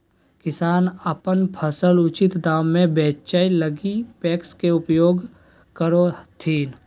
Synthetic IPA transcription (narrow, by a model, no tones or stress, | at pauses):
kɪsaːnəpənpʰəsəlʊt͡ʃɪt̪d̪aːmːẽbɛːt͡ʃailəɡipɛːkskeʊpjoːɡ | kəɾot̪ʰiːn